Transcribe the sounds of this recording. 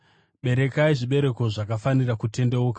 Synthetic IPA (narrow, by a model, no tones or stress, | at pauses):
ɓe̞ɾe̞kaiʐiɓe̞ɾe̞ko̞ʐakafanirakute̞ndeoka